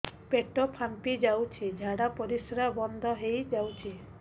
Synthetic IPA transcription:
peʈɔpʰampid͡ʒawt͡ʃʰid͡ʒʱaɽapɔɾisɾabɔnd̪ʱɔɦejd͡ʒawt͡ʃʰi

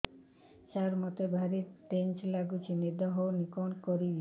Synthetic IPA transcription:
t͡ʃaɾmɔt̪ebʱaɾiʈent͡ʃlaɡut͡ʃʰinid̪ɔɦownikonkoɾi

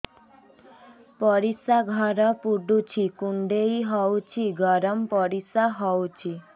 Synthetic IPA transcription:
pɔɾisaɡʱɔɾɔpuɖut͡ʃʰikuɳɖejɦɔwt͡ʃʰiɡɔɾɔmpɔɾisaɦɔwt͡ʃʰi

